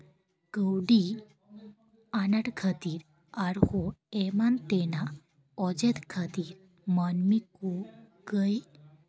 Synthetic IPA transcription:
ɡ̥əwɖi | anaʈkʰət̪iɾ | aɾhɔemant̪ena | ɔd͡ʑet̪kʰət̪iɾ | mənmikɔ | ɡəj

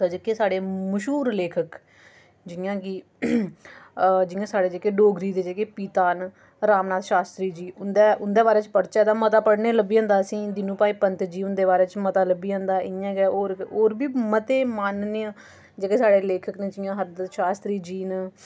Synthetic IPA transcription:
səd͡ʒekːeːsaːɽeːməʃuːɾleːkʰək | d͡ʒɪjãːkiː | d͡ʒɪjãːsaːɽeːd͡ʒeːkeːɖoːɡɾiːd̪eːd͡ʒeːkeːpiːt̪aːn | ɾaːmnaːt̪ʃaːst̪ɾiːd͡ʒiːʊnd̪ɛːʊnd̪eːβaːɾeːt͡ʃpəɽt͡ʃɛːd̪ãːmət̪aːpəɽneːləbiːɦə̃ːnd̪aːsĩːd̪ɪnũːpaːiːpənt̪d͡ʒiːʊnd̪eːβaːɾeːt͡ʃmət̪aːləbiːə̃ːnd̪aːʔɪãːɡɛːoːɾoːɾbiːmət̪eːmaːnneː | d͡ʒeːkeːsaːɽeːleːkʰəknẽːd͡ʒɪjãːɦəɾd̪ət̪ʃaːst̪ɾiːd͡ʒiːn

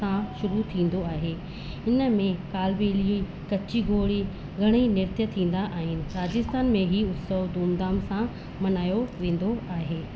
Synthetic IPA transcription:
ãʃʊɾut̪ʰĩːn̆d̪oaːɦeː | ɪnə̆mẽkaːlbeːlii | kɐt͡ɕiɡʱoːɽi | ɡʱɐɽ̃inɪɾt̪jət̪ʰĩːn̆d̪aʔaːɦɪnɪ̆ɾaːd͡ʑɪst̪aːnmẽɦiʊt̪səʋd̪uːmd̪aːmsã | mɐnaːjoʋẽːn̆d̪oaːɦeː

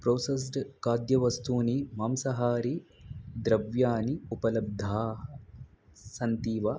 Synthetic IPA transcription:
pɾoːsɐs̬ɖkaːd̪jɐʋɐst̪uːnimɐmsɐɦaːɾid̪ɾɐʋjaːniupɐlɐb̚d̪ʱaːɐ | sɐnt̪iːʋɐ

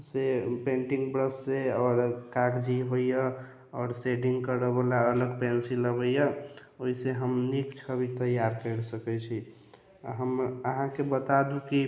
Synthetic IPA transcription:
sepẽɳʈiŋɡbɾəsːeɔːɾkakd͡ʒiɦoijə | ɔːɾseɖĩŋɡkəɾəbəlaələɡpɛnsiləbəjəoiseɦəmnikt͡ʃʰəbit̪əjaɾkəɾsəkɛt͡ʃʰi | ɦəməɦãkebət̪ad̪uki

